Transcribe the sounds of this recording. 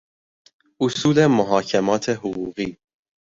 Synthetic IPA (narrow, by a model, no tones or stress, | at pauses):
usuːlemʊɦɑːcʰɛmɑːt̪ʰeɦuɣuːɣiː